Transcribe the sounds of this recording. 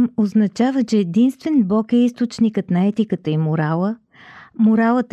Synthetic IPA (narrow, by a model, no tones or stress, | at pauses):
moznɐt͡ʃavət͡ʃɛːd̪inst̪vɛnblˠɔkɛist̪ot͡ʃnikət̪nɐɛt̪ikət̪əimoɾalˠə | mʊɾalˠət̪